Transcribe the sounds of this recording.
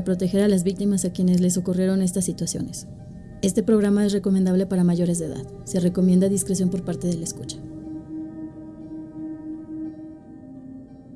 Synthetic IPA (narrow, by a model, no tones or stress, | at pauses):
pɾo̞t̪e̞xe̞ɾalazβik̚t̪imasakje̞ne̞zle̞s̬o̞kurje̞ɾo̞ne̞s̬t̪asːit̪wasjo̞̰ne̞s | e̞st̪e̞pɾo̞ɣɾamae̞sre̞ko̞mẽnd̪aβle̞paɾamaʝo̞ɾe̞zðeða̰ð | se̞reko̞mjend̪aðiskɾesjompoɾpaɾt̪e̞ðe̞laeskut͡ʃḁ